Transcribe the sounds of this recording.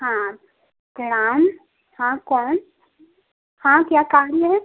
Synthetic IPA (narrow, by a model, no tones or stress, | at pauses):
hã | ɡɾaːm | hãkɔːn | hãkjaːkaːɾjəɦɛː